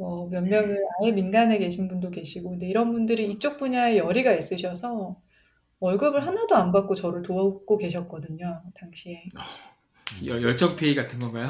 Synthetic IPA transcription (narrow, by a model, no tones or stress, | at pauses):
mʌmjʌnmjʌŋɯaeminɡane̞ke̞ɕʰinbundoke̞ɕʰiɡoɯnde̞iɾʌnbundɯɾiːt͡ɕ͈ok̚p͈uɲae̞jʌɾiɡais͈ɯɕʰʌsʰʌ | wʌɭɡʌbɯɭɦanadoanbak͈̚ot͡ɕʌɾɯɭtoʌk͈oke̞ɕ̬ʰʌt̚k͈ʌdɯɲotaŋɕʰie̞ʌ | ʌjʌɭt͡ɕ͈ʌk̚pʰeiɡatʰɯnɡʌnɡaj